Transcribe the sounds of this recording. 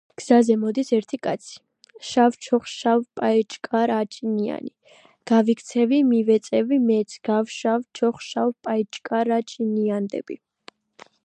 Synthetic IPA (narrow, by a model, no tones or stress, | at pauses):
ɡ̥z̥azɛmɔd̪isɛɾt̪ʰikʼat̪sʰi̥ | ʃavt͡ʃʰɔχʃavpʼaɛt͡ʃʼkʼaɾat͡ʃʼinia̰ni | ɡ̥avikʰt̪sʰɛvimivɛt̪sʼɛvimɛt̪sʰɡ̥avʃavt͡ʃʰɔχʃavpʼait͡ʃʼkʼaɾat͡ʃʼiniand̪ɛ̰b̥i